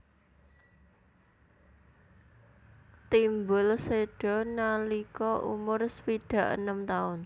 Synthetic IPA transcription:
t̪imbʊlseɖ̥ɔ̤nalikɔʔṵmʊrspiɖ̥ä̤ʔə̰nəmt̪aʊn

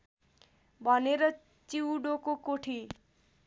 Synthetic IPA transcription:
bʱʌneɾʌ | t͡siwɖokokoʈʰi

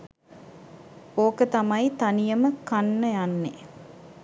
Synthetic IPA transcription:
oːkət̪ɐmɐjt̪ɐnijəməkanːəjanːe

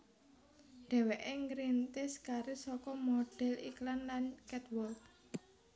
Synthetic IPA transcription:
ɖ̪̥ɛ̤weʔeŋɡɾint̪ɪskaɾɪsɔkɔmoɖ̥ɛ̤liklanlankɛt̪wɔlk

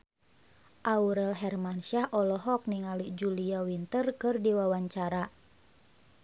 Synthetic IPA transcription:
ʔauɾɛlɦɛrmanʃahʔɔlɔɦɔk̚niŋalid͡ʒuliawint̪ərkɨrdiwawaɲt͡ʃaɾa

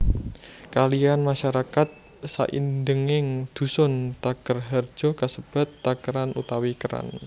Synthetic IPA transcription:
kalianmaʃaɾakat̪̚ | sa̰ʔḭndəŋɪŋd̪̥ṳsʊnt̪akərɦər̥d͡ʒ̥ɔ̤kasəb̥a̤t̪ːakəɾanut̪awikəɾa̰n

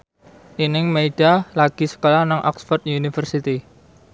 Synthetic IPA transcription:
ʔinɪŋmeiɖ̥alaɡ̥i̤sə̥kolanaŋʔɔ̰ksfɔrt̪junifərsit̪i

